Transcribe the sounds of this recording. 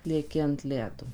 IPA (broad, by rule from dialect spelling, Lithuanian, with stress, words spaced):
lʲiɛˈkʲɪ ɐnt ˈlʲæːdoː